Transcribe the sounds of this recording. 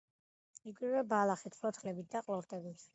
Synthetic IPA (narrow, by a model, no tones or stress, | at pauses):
iɡɾivɛbalˠaχit̪χlˠɔt̪ʰχlɛbit̪̚d̪aqʼlˠɔɾt̪ʼɛbit̪ʰ